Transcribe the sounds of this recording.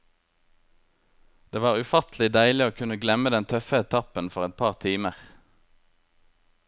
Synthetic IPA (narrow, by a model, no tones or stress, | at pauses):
d̪̥eːʋɑːʁʉfɑt̪l̩ɪd̪æɪlɪoːkʰʉnəɡlɛməd̪ɛnt̪ʰœfəɛt̪ʰɑpənfɔʁɛt̪̚pʰɑːʁt̪ʰiːməʁ